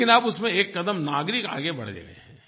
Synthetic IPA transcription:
ɪnaːpʊsmẽeːkːɐd̪əmnaːɡɾɪka̰ːɡebɐ̰ɽd͡ʒḛːɡḛɦɛ̃ː

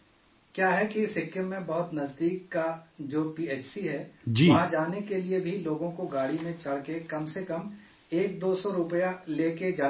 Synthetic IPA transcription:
kjaːɦɛkiɪsɦɪkːəmːẽbɐɦʊt̪nɐzd̪iːkːad͡ʒoːpiːeːt͡ʃsiɦɛːd͡ʒiɦãd͡ʒaːnekeliebʱiloːɡõkoɡaːɽimẽt͡ʃɐɽ̤kekɐmsekɐm | eːk̚d̪oːsɔɾʊpəjaleːked͡ʒaː

